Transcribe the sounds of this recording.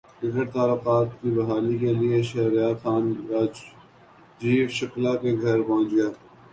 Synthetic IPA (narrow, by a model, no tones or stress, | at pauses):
ɪɡʱəɾt̪aːlʊqaːt̪̚kibɐɦaːlikelieʃɐɦɾjaːxaːnɾaːd͡ʒ | d͡ʒiːʃɐklakeɡʱɐɾpɔ̃ːt͡ʃɡɪjaː